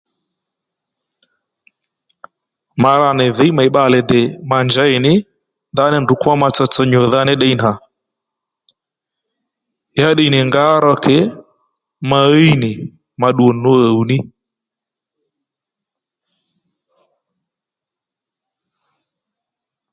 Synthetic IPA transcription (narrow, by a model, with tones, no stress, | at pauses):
ma˨ɾa˨nɪ˨ðɪ˦jma˨i˨ɓa˨lɛ˨dɛ˨ma˨nd͡ʒa˦ɪ˨nɪ˦ | nda˦nɪ˦ndu˨kwa˦ma˧t͡sɔ˧t͡sɔ˦ɲɔ˨ða˦nɪ˦ɗɛ˦i˦na˨ | ja˦ɗi˦˨nɪ˨ŋɡa˦ɾɔ˦kʰɛ˦ | ma˨˦i˦nɪ˨ | ma˨ɗu˨ɔ˨no˦ə˨u˨nɪ˦